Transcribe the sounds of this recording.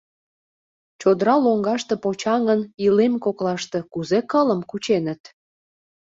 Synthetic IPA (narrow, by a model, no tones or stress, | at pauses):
t͡ɕod̪əɾɑloŋɡɑʃt̪e̽pot͡ɕɑŋənilemkoklɑʃt̪e̽kuzekələmkut͡ɕenət̪